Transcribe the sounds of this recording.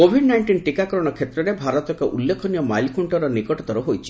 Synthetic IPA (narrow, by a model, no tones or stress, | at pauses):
kobʱiɖnajɳʈinʈikakɔɾɔɽ̃ɔkʰet̪ɾɔɾebʱaɾɔt̪ɔkɔʔulːekʰɔnijɔmajlkʰuɳʈɔɾɔnikɔʈɔt̪ɔɾɔɦojt͡ʃʰi̥